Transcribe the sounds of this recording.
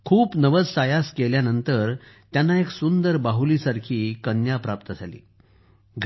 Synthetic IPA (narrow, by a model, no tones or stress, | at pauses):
kʰuːpnəʋəd͡zsajaskeljanənt̪əɾt̪janːaeksund̪əɾbaɦuliːsaɾkʰiːkənjapɾap̚t̪əd͡zʱalḭː | ɡ